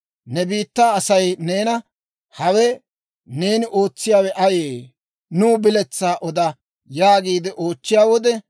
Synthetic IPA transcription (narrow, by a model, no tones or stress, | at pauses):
nɛbiːt̪ːaːsɐjne̞ːnɐ | hɐwɛ | ne̞ːnɪʔo̞ːt͡sːɪjaːwɛʔɐjeː | nʊːbɪlɛt͡sːaːʔɔd̪ɐ | jaːɡiːd̪ɛʔo̞ːt͡ʃːɪjaːwɔd̪ɛ